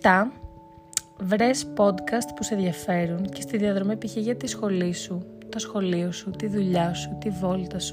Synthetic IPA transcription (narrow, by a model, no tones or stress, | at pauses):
t̪ɐ | vɾe̞spo̞d̪kɐst̪pusenðʝɐfe̞ɾunce̞st̪iðiɐðɾo̞mepiçeʝɐt̪isxo̞lisut̪o̞sxo̞liosut̪iðuʎɐsut̪ivo̞lt̪ɐsu̥